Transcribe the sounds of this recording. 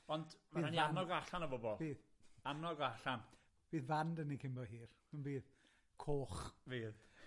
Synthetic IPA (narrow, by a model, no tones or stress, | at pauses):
ɔndmaiːanianɔɡaɬanəbɔbɔlˠbiːðamnɔɡaɬan | b̥iːðvandənikʰɪmbɔɦiːr | ənbiːð | kʰoːχviːð